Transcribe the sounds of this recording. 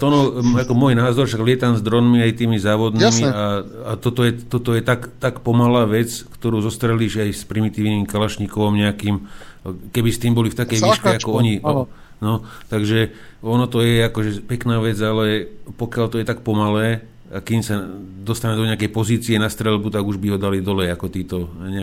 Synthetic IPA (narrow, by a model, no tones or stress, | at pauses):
ɔnɔakɔmʊɔjnaːzɔɾfʃaɡlɪɛt̪amzd̪ɾɔnmiajt̪iːmizaːʋɔd̪niːmiaat̪ɔt̪ɔjɛt̪ɔt̪ɔjɛt̪akt̪akpɔmalaːʋɛt͡skt̪ɔɾuːzɔst̪ɾɛliːʒajspɾimit̪iːʊniːmkalaʃɲikɔʋɔmɲɛakiːm | kɛbist̪iːmbɔlift̪akɛjʋiːʃkɛakɔɔɲi | nɔt̪aɡʒɛ | ɔnɔt̪ɔjɛakɔʒɛpɛknaːʋɛd͡zalɛpɔkɪalt̪ɔjɛt̪ak̚pɔmalɛː | akimsad̪ɔst̪anɛd̪ɔɲɛakɛjpɔziːt͡siɛnast̪ɾɛlbut̪aɡuʒbiɦɔd̪alid̪ɔlɛjakɔt̪iːt̪ɔɲɛ